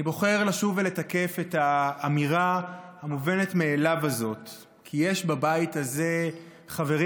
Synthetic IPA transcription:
ibo̞χe̞ʁlaʃuvele̞take̞fe̞taːmiʁahamuve̞ne̞tme̞ːlavazo̞t | kʰijeʃbabaitaze̞ | χave̞ʁ

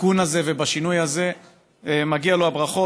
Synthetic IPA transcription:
kunaze̞ve̞baʃinujhaze̞ | emaɡialoabʁaχo̞

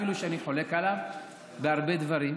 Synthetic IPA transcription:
iluʃeaniħo̞le̞kalav | beaʁbe̞d̪vaʁim

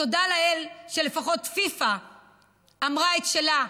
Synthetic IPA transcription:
odalaelʃele̞faχo̞tfifaː | mʁaetʃela

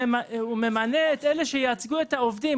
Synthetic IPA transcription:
aume̞maneet̪eleʃejaat͡sɡuet̪haovdi

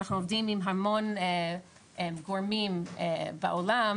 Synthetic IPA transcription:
aχnuovdimimɦamone | ɡoɹmimebaʔolam

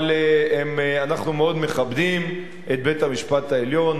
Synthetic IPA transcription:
leemanaχnumeo̞d̪me̞χabd̪im | et̪̚bet̪hamiʃpat̪aeljo̞n

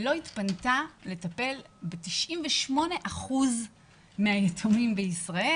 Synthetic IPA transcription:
lo̞itpantale̞tape̞lbetiʃʔimveʃmo̞ne̞ʔaχuz | meajetʰumimbeisʁae

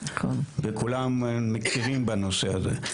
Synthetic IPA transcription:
kolbekʰulamːekʰiʁimbanoseazḛ

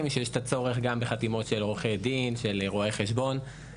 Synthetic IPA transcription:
mʃejɛʃt̪at͡so̞ʁeχɡambeχatimo̞tʃeloχejdinʃelʁoeχe̞ʃbo̞n

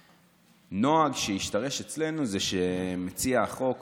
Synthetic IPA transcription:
no̞aɡʃejiʃtaʁe̞ʃet͡sle̞nuzeʃemet͡siaχo̞k

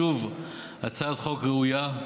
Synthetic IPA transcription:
uv | at͡sad̪χokʁɛuja

